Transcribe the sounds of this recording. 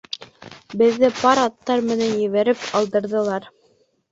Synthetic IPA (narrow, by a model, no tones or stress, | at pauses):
bɘ̆ðːɘpɑɾɑt̪ːɑɾmɘ̆nænjɘ̆βæɾɘpɑlˠd̪ɤ̆ɾðɤ̆lˠɑɾ